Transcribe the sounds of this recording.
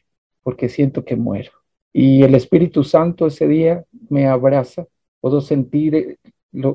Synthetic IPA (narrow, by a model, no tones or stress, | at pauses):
po̞ɾke̞sje̞nt̪o̞ke̞mwe̞̰ɾo | ie̞le̞spiɾit̪usant̪oe̞se̞ðiame̞aβɾasa | pwe̞ðose̞nt̪iɾ | lo